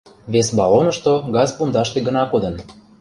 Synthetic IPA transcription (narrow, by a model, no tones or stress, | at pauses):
βesbɑlonəʃt̪oɡɑzpund̪ɑʃt̪eɡə̆nɑkod̪ə̆n